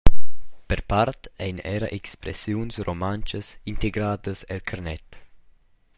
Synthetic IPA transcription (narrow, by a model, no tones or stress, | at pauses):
pɛrpart̪ɛ̰jnɛɾaʔekspɾɛ̰sjunsrʔomant͡ʃəsint̪eɡɾaːd̪əsɛlkʰarnɛt̪